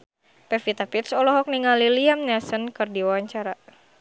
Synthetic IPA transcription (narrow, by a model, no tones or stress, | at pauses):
pɛfit̪apit̪sɔlɔɦɔk̚niŋaliliamɲasənkɨrdiwawaɲt͡ʃaɾa